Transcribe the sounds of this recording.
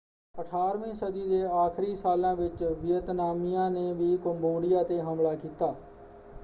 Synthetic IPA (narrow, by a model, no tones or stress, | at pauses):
əʈʰaːɾʋĩːsəd̪iːd̪eːaːkʰɾiːsaːlãːʋɪt͡ʃbɪjət̪naːmɪjãːneːʋiːkʊmboːɽɪjaːt̪eːɦəmlaːkiːt̪aː